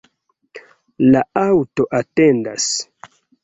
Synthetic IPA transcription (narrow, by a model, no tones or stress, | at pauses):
laawtoʔatenda̰s